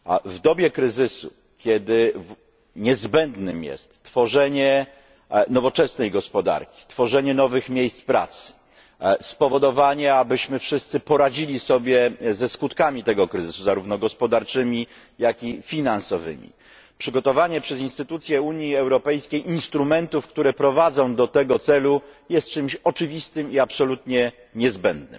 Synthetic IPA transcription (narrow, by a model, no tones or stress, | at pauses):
vd̪ɔbʲjɛkɾɘzɘsṵ | kʲɛd̪ɘ | ɲɛzbɛnd̪nɘmjɛ̰st̪ːfɔʐɛɲɛ | nɔvɔt͡ʂɛsnɛjɡɔspɔd̪a̰ɾkʲi̥t̪fɔʐɛɲɛnɔvɘxmʲjejst̪spɾa̰t̪s | spɔvɔd̪ɔvaɲɛabɘɕmɘfʂɘst̪sɘpɔɾad͡ʑilʲisɔbʲjɛzɛskut̪kamʲit̪ɛɡɔkɾɘzɘsuzaɾuvnɔɡɔspɔd̪aɾt͡ʂɘmʲi | jakʲifʲinansɔvɘ̰mʲḭ | pʂɘɡɔt̪ɔvaɲɛpʂɛzinst̪ɘt̪ut̪sʲjɛuɲjiɛwɾɔpɛjskʲejʔinst̪ɾumɛnt̪ufkt̪uɾɛpɾɔvad̪zɔ̃w̃d̪ɔt̪ɛɡɔt̪sɛlujɛst̪̚t͡ʂɘmɕɔt͡ʂɘvʲist̪ɘmiapsɔlut̪ɲɛ | ɲɛzbɛnd̪nɘ̰m